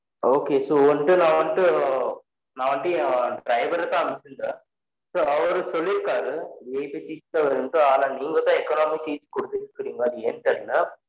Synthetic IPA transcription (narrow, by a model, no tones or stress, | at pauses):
oːkeːsoːɔɳɖɯnãːʋɐɳɖɯ | naːʋɐɳɖɯɖɾɐɪʋɐɾɐt̪ːãːɐmɪsɯnd̪ɐ | soːɐʋɐɾɯsɔlːɪɾɯkːaːɣɐeːpisiːt̪aːʋɐɾɯɳʈːɯaːlaniːŋɡɐt̪ãːɛkːɐnaːmisiːskɔɽɯt̪ːɯɯkːɪɽiŋɡɐɐðɯeɳʈɐɾɯnɐ